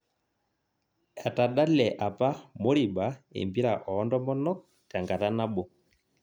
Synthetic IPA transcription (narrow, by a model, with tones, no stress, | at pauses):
ɛ˨ta˨ɗa˦lɛ˨ʔa˨pa˦mo˦ɾi˨ba˨˦ḛ˨mbi˦ɾa˨ʔɔ˨˦ndɔ˦mɔ˦nɔ˦ | ka˨ŋɡa˨ta˦na˦bɔ˨